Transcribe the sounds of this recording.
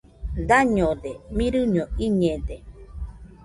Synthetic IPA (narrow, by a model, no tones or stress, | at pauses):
d̪aɲodemĩɾɨɲoiɲede